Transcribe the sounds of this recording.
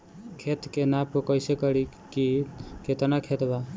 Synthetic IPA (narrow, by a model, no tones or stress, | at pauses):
kʰet̪kenapokəjsekəɾi | kikʰet̪nakʰet̪ba